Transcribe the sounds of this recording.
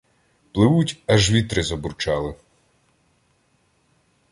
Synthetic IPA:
plˠɪʋutʲɐʒʋʲit̪ɾɪzɔburt͡ʃɑlˠɪ

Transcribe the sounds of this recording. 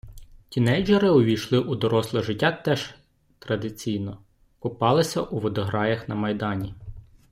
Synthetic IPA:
tʲinɛjd͡ʒɐɾɪʊʋʲijʃlˠɪʔud̪ɔɾɔslˠɐʒɪtʲːat̪ɛʒ | t̪ɾɐd̪ɪt͡sʲijnɔ | kʊpɑlˠɪsʲɐʔuʋɔd̪ɔɦɾɑjɐxnɐmɐjd̪ɑnʲi

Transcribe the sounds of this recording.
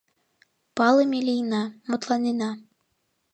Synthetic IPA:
pɑlˠɤmʲelʲijnɑmot̪lˠɑnʲinɑ

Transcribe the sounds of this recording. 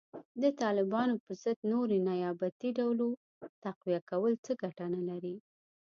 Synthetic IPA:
d̪ət̪ɑlɪbɑnopəɾzəd̪noɾenajɑbat̪iɖawlo | t̪aqwijakawəlt͡səɡaʈanalaɾi

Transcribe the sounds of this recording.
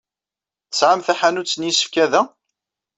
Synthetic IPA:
θəsʕamθæħanut͡sːənjisə̥fkæðæ

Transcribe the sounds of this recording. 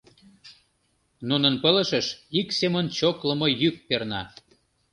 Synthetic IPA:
nunənpələ̆ʃəʃiksemənt͡ɕokləmojyk̚pernɑ

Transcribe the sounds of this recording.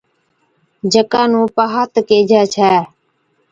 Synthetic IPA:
d͡ʒəkãːnũːpaːɦat̪keːd͡ʒaːt͡ʃʰɛː

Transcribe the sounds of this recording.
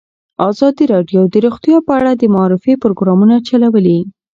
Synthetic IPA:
ɑzɑd̪iɾɑɖjod̪əɾuxt̪jɑpəaɽad̪əmaɑɾɪfepɾoɡɾɑmunat͡ʃalawəli

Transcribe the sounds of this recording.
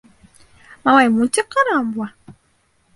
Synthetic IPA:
mawamut͡ʃikaɾambwa

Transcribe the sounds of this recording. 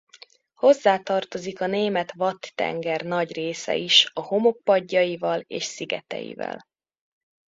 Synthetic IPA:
ho̞zːaːt̪ɒrt̪o̞zikɒneːmɛt̪vɒt̪ːɛ̰ŋɡɛrnɒɟreːsɛ̰iʃɒho̞mo̞k̚pɒɟːɒivɒleːʃsiɡɛ̰t̪ɛ̰jḭvɛ̰l

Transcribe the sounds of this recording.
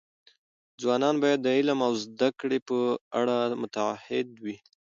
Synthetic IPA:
d͡zwɑnɑnbɑjad̪ːəɪlamawzd̪akɽepəaɽamʊt̪aahɪd̪wi

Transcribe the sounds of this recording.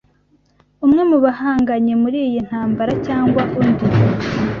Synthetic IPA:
umŋe̞muβahaːŋɡaɲe̞muɾiːjin̥haːmbaɾacaːŋɡwaʔundi

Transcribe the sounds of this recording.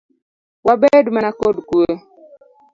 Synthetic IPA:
wabɛdumanakodukue

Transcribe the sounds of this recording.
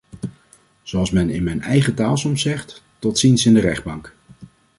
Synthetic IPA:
z̥oɑlˠsmɛnɪ̰nmɛjnɛjχətaːlˠsɔmsɛχt | tɔtsinsɪndərɛχd̚bɑŋk

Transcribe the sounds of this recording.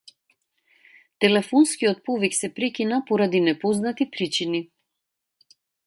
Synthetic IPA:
t̪ɛlɛfɔnskiɔt̪̚pɔviksɛpɾɛkinapɔɾad̪inɛpɔznat̪ipɾit͡ʃini

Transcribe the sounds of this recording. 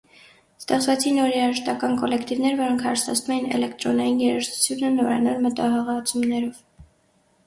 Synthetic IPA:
st̪ɛχt͡svɛt͡sʰinːɔɾɛɾɑʒəʃt̪ɑkɑnkɔlɛkʰt̪ivnɛɾvɔɾɔŋkʰhɑɾsɑ̰t͡sʰnumɛjinɛ̰lɛkt̪ɾɔnɑjinjɛɾəʃt̪ʰu̥t͡sʰjunənɔvɾɑ̰nɑlmət̪ɑɦɑʁɑt͡sʰumnɛɾɔv

